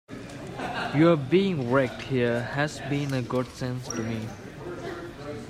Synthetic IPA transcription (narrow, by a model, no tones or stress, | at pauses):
juəbiɪ̃ŋɹɛk̚thiəhɛzbĩnəɡʊdsɛ̃nstumi